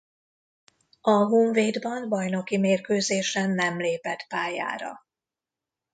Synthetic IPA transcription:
ɒɦuːɱveːd̪bɒnbɒjno̞kimeːrkøːzeːʃɛnːɛmleːpɛt̪paːja̰ːɾɒ̰

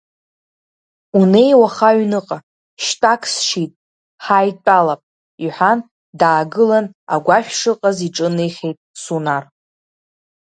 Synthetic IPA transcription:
une̞jwaχaɥnɨqʼa | ʃtʼakʰsʂitʼ | ħajtʼalapʼ | iħʷan | daːɡɨlana̰ɡʷaʃʲᶣʂɨqʼaziʈ͡ʂʼɨnejχʲejtʼsunar

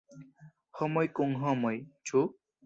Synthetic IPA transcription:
hɔmɔjkuŋɦɔmɔjt͡ʃʰu

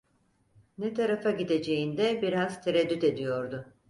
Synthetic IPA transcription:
nɛt̪ʰaɾafaɟid̪e̞d͡ʒe̞jind̪ɛbiɾazt̪ʰeɾɛd̪ːyt̪e̞d̪ijo̞ɾd̪ʊ

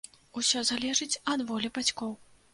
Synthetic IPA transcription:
usʲɔzalʲɛʐɨt͡sʲɐd̪vɔlʲibat͡sʲkɔw

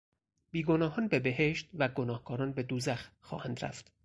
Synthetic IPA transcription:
b̥iːɡonɒːɦɒːnbebeɦeʃt̪̚væɡonɒːhkʰɒːɾɒːnbe̞d̪uːzæxxɒ̰ːhænd̪ɾæ̰ft̪

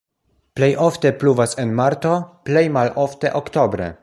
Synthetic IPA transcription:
plejʔoft̪epluvasenmaɾt̪oplejmalʔoft̪eʔokt̪obɾḛ

